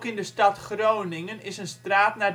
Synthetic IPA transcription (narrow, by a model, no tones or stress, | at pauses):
kɪndəstɑtχrownɪŋənɪsənstraːtnaː